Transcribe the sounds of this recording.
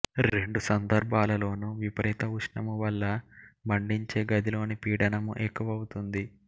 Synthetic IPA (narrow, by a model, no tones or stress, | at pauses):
ɾɾe̞ɳɖusɐnd̪ɐɾbʱaːlɐlo̞ːnuʋipɐɾɛːt̪ɐuʂɳɐmuʋɐlːɐmɐɳɖiɲt͡ʃe̞ːɡɐd̪ʱilo̞ːnipiːɽɐnɐmṵʔekːuʋɐːwut̪und̪i